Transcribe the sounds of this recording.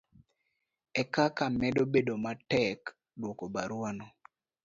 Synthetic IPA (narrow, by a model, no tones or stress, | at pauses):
ɛkakamɛdobedomatɛk | dwokobaɾwanɔ